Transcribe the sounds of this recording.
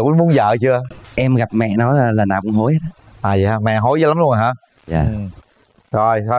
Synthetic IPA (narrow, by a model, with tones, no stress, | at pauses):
kʊ̰˧˨˦mu˨˦ənzə̰ː˧˨t͡ɕɨ˧əʔɛ˧mɣa˨˩p̚mɛ̰˧˨nɔ˨˦laː˨˩laː˨˩na̰ː˨˩wkʊ˨˦ŋ͡mɦo˨˦jhə˦˥ə˨˦ʔaː˨˩zi˨˩haː˧mɛ̰˧˨ɦo˨˦jzəː˨˦la˨˦mlu˧ə˧n˩ɦaː˧˩ | a̰ː˧˨˩ɨ˨˩ | zo˧˩jzɔ˧